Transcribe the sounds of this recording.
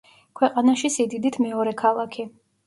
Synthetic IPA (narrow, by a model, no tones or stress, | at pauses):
kʰwɛqʼanaʃisid̪id̪it̪ʰmɛɔɾɛkʰalˠakʰi